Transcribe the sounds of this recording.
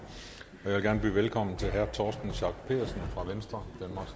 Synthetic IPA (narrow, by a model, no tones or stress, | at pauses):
ɒjaʋelɡ̥æɐnəb̥y̰ːʋelkʰɒ̽m̰n̩t͡sʰe̝lɦæɐt͡sʰɒːsd̥n̩ɕɑ̈ɡ̥pʰe̝̰ːðˠɐsn̩fʁɑ̈ʋensd̥ʁɐd̥ænmɑ̈sɡ̥